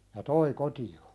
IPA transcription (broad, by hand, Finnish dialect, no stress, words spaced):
jɑ toi kotio